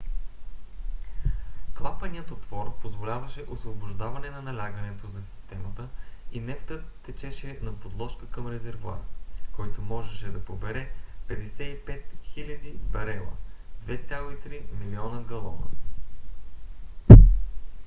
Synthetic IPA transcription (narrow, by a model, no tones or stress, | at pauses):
klˠapɐniət̪ot̪vɔɾpozvolʲavɐʃɛʔosvobʊʒd̪avɐnɛnɐnɐlʲaɡənɛt̪ozɐsi̥st̪ɛmət̪əinɛft̪ət̪ːɛt͡ʃɛʃɛnɐpod̪lˠɔʃkəkɐmɾɛzɛɾvʊa̰ɾkɔjt̪omɔʒɛʃɛd̪ɐpobɛɾɛpɛd̪ɛsɛipɛt̪xilʲɐd̪ibɐɾɛlˠə̰d̪̥vɛt̪sʲjalˠoit̪ɾimilʲiɔnəɡɐlˠɔnə̰